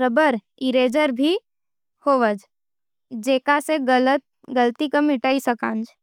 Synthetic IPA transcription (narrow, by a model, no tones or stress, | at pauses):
ɾəbəɾ | ɪɾeːd͡ʒəɾbʱi | hoːʋəd͡ʒ | d͡ʒeːkaseɡələt̪̚ | ɡəlt̪ikəmɪʈaːisɐkãːnd͡ʒ